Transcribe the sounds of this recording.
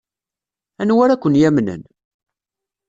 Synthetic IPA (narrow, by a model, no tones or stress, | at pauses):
ænwæɾækʷːənjæmnə̰n